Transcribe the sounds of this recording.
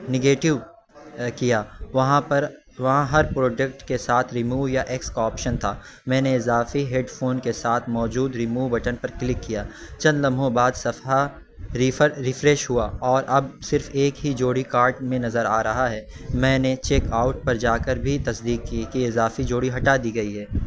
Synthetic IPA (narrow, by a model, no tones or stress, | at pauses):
nɪɡeːʈɪʋ | kijaːʋɐɦãpɐɾ | ʋɐɦãɦɐɾpɾoːɖək̚ʈkesaːt̪ʰɾɪmuːʋjaʔekskɔːpʃənt̪ʰaː | mɛ̃ːneɪzaːfiɦeɖfoːnkesaːt̪ʰmɔːd͡ʒuːd̪ɾɪmuːʋbɐʈənpɐɾklɪkːijaːt͡ʃɐ̃nd̪lɐ̃mʱõbaːd̪sɐfa | ɾiɾɪfɾɛːʃɦuaɔːɾʔɐb̚sɪɾfeːkɦid͡ʒoːɽikaːɾʈmẽnɐzəɾaːɾɐɦaɦɛː | mɛ̃ːnet͡ʃeːkaːʊʈ̚pɐɾd͡ʒaːkəɾbʱit̪ɐsd̪iːkːikiɪzaːfid͡ʒoːɽiɦɐʈaːd̪iɡɐiɦɛː